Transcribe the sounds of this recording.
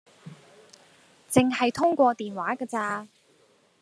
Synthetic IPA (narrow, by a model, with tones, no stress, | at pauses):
t͡sɪ˨ŋɦɐ˨jt̪ʰʊ˥ŋkʷɔː˧t̪iː˨nwaː˨˥kɐː˧t͡saː˧